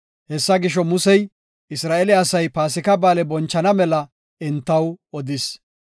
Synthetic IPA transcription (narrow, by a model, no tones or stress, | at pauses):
hɛsːɐɡɪʃ̬ɔmʊsɛj | ɪsɾaːʔɛlɪɐsɐjpaːsɪkɐbaːlɛbɔnt͡ʃːɐnɐmɛlɐ | ɛnt̪ːɐwɔd̪ɪs